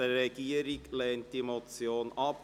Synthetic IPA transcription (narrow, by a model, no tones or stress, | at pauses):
əɛɡ̥iːəɾɪɡlɛːnt̚d̥imot͡sjoːnʔɑp